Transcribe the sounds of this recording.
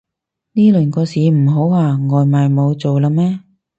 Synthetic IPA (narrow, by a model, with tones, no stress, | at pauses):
niː˥lɵ˨˩nkɔː˧siː˨m̩˨˩ɦo˨˥waː˨˧ŋɔː˨jmaː˨jmo˨˧wt͡so˨wlaː˧mɛː˥